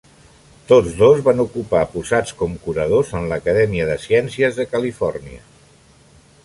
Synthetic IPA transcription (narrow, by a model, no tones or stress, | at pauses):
t̪od͡zðozβanukupapuzat͡skɔmkuɾəðozənləkəðɛmiəðəsjɛnsiəzðəkəlifɔrniə̰